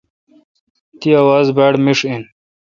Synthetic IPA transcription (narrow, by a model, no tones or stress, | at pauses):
t̪iawaːzbaːɽmiʂin